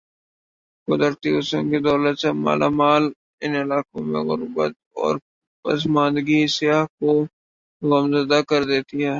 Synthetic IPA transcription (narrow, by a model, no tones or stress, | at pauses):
kʊd̪əɾt̪iʊsõnkid̪ɔːlət̪sema̰ːlʔaːmaːl | ɪnɪlaːkõmḛ̃ɣʊɾbə̰t̪̚ | ɔ̰ːɾ | pɐ̰smãːnd̪ɡisɪjaːɦko | ɣəmzɐd̪akɐɾd̪eːt̪iɦɛː